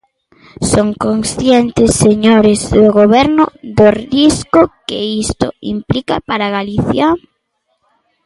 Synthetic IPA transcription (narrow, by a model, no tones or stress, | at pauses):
soŋkoŋsθjɛnt̪ɪsːeɲoɾɪzðʊɣoβɛɾnʊðoriskʊkɪist̪ʊ̰ḭmplikapaɾaɣaliθja